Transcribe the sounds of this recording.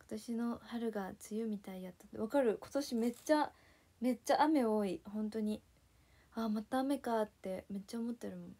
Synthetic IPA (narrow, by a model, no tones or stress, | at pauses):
ko̥t̪aɕino̞haɾɯ̟ɡat͡sɨjɯmʲit̪aijat̪ːḁt̪ːeβakaɾɯ̟ko̞̥t̪o̞ɕime̞t͡ɕːa | me̞t͡ɕːaʔame̞o̞ːihõ̞nt̪o̞ɲ̟i | amat̪aːme̞kat̪ːe̞me̞t͡ɕːaomo̞t̪ːe̞ɾɯ̟mõn